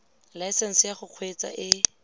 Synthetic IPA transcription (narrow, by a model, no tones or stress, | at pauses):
lajsɛn̩sɪjaχʊq͡χʰwet͡sa̰ʔɪ